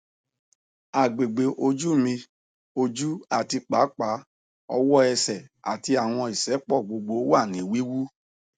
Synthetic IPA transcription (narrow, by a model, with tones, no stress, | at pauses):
a˨ɡ͡be˨ɡ͡be˨ʔo˧d͡ʒu˦˨mĩ˧ | o˧d͡ʒu˦a˨ti˧k͡pa˨˦k͡pa˨˦ | ɔ̰˧wɔ˦ɛ˧sɛ˨a̰˨ti˧a˨w̃ɔ̃˧i˨sɛ˨˦k͡pɔ˦˨ɡ͡bo˧ɡ͡bo˧˦wa˦˨nĩ˨˦wi˦wu˦